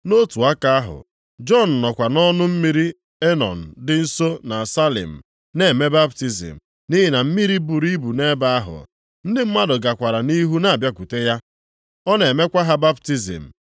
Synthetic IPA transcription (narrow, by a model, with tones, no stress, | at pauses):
no˦tu˨a˦ka˦a˦ɦʊ̰˨ | d͡ʒɔ˦n̩˨nɔ˨kʷa˨nɔ˦nʊ˦m̩˦mi˦ɾi˦ | e˦nɔ̰˨n̩˨dɪ˦n̩˦so˦na˨sa˦lḭ˨m̩˨ | ne˨me˦ba˦bti˦zḭ˨m̩˨ | ni˦ɦɪ˨na˨m̩˦mi˦ɾi˦bu˨ɾi˦bu˨ne˦ba˦a˦ɦʊ̰˨ | n̩˦dɪ˦m̩˦ma˦dʊ˨ɡa˨kʷa˨ɾa˨ni˦ɦu˦na˨a˨bja˦ku˨te˦ja˦ | ɔ˦ne˨me˦kʷa˦ɦa˦ba˦bti˦zḭ˨m̩˨